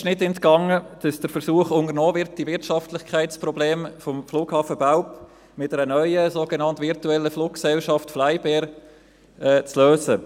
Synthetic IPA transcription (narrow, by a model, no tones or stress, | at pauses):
ɪʃnɪtɛntkɑŋəd̥ɑsd̥əɾfəɾsuːəχʊŋəɾnoːvɪɾt̚d̥ivɪɾtʃɑftlɪχkʰaɪtt͡sprʁɔbleːmfɔmfluːkhɑːfəbaʊp | mɪt̚dɛɾənœʏəsoːɡenɑntvɪɾtuɛlːəfluːk̚ksɛlʃɑftflaɪbɛːɾ | ɛːt͡sløːsə